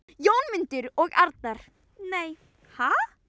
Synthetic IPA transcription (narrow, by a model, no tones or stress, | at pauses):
jownmɪnt̪ʏɾɔɣa̰ɾt̪̚naɾ̥ | neːj | ha